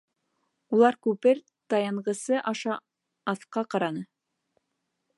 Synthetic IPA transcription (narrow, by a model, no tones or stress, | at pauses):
ulˠɑɾkʉpɘɾ | t̪ɑjɑɴɢɤ̆sɤʔɑʃɑ | ɑθqɑqɑɾɑnɤ